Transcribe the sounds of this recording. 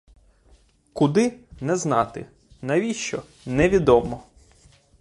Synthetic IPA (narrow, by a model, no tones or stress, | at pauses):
kʊd̪ɪnɛznɑt̪ɪ | nɐʋʲiʃt͡ʃɔ | nɛʋʲid̪ɔmɔ